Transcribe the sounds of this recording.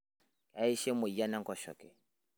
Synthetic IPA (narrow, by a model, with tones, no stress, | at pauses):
ka˨˦i˦ʃɛ˦mʊ˨i˨ja˦na˦ŋ˦kɔ˨ʃɔ̰˨kɛ˨